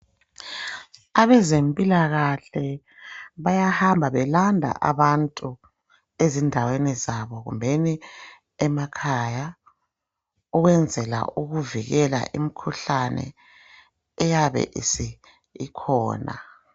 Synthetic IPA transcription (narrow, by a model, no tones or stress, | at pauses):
aβɛzempʼilaɣaɬɛ | βajahambʱaβɛlandʱa̰ʔa̰βantʼu | ezindʱawenizaβɔɣṵmbʱeni | ɛmakʰaja | uɣwɛnd͡zʱɛla̰ʔuɣuviɣɛla̰ʔimikʰuɬanɛ̰ | jaβɛ̰ʔḭsi | ḭkʰɔ̰ːna̰